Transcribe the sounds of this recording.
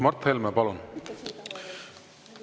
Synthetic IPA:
mɑrt̪helmɛpɑlun

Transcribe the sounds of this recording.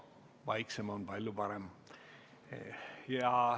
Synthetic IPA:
vɑjksemonpɑlʲjupɑɾem | jɑ

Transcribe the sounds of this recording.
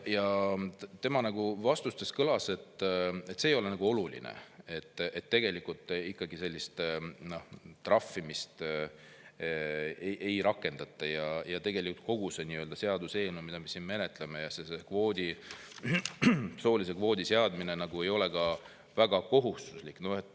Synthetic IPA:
jɑ | t̪e̞mɑnɑɡ̥uvɑst̪ust̪e̞skɤlɑse̞t̪ːet̪ːse̞ːjo̞le̞nɑɡ̥uo̞lulḭnḛe̞t̪ːe̞t̪ːe̞ɡ̥e̞likult̪ːˑikːɑɡise̞lʲːist̪no̞ht̪rɑfːimist̪ | eʔe̞jɾɑkːˑe̞nd̪̥ɑt̪ːˑɑjɑjɑt̪e̞ɡ̥e̞likult̪̚ko̞ɡuseniøld̪ɑse̞ɑd̪̥use̞ːlnumid̪̥ɑme̞sinme̞ne̞t̪ˑle̞mejɑsesekvo̞ːd̪ʲi | so̞ːlise̞kvo̞ːd̪̥ise̞ɑd̪mine̞nɑɡ̥ue̞jo̞le̞kɑ | væɡ̥ɑko̞ɦust̪uslikːnoe̞t̪ːˑ

